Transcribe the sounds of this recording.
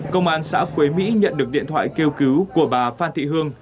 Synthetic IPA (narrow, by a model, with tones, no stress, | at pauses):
kə˧wŋ͡mʔaː˧nsa̰ː˧˥kwe˨˦mḭ˧˥ɲə̰˧˨nɗɨ˨˩ək̚ɗḭ˧˨ənt̪ʰwa̰ː˧˨jke˧wki˨˦wku˧˩əɓaː˨˩faː˧nt̪ʰḭ˧˨ɦɨ˧əŋ